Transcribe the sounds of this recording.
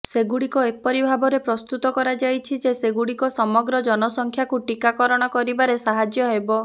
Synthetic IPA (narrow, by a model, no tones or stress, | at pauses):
seɡuɽikɔepɔɾibʱabɔɾepɾɔst̪ut̪ɔkɔɾad͡ʒajt͡ʃʰid͡ʒeseɡuɽikɔsɔmɔɡɾɔd͡ʒɔnɔsɔŋkʰjakuʈikakɔɾɔɽ̃ɔkɔɾibaɾesaɦad͡ʒjɔɦebɔ